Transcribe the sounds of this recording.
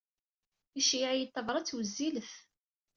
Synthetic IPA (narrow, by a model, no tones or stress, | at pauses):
iʃiʕijət̪ːəvɾˤɑt͡sːwəzːiləθ